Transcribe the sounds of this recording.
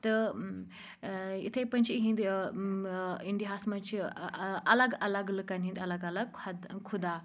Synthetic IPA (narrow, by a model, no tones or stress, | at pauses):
t̪ɨ | ḭt̪ʰepɐnʲt͡ʃʰiɦĩnd̪ | iɳɖiɦasmɐnt͡ʃʰiʔɐlɐɡɐlɐɡlɨkanɦĩnd̪ɐlɐɡɐlɐɡ̚kʰɐd̪kʰud̪a